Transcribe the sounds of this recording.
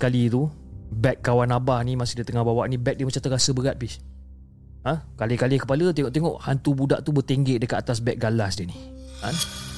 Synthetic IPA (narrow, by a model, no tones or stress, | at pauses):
kalit̪u | bɛkkːawanabahnimasɪhdət̪əŋahbawaʔnĩbɛk̚dihmat͡ʃamt̪əɾasəbəɾat̪̚pih | əhkalekalekəpalət̪eŋɔʔt̪eŋɔʔhant̪ubudaʔt̪ubət̪eŋɡeʔdəkat̪at̪as̬bɛk̚ɡalahsdiəni | an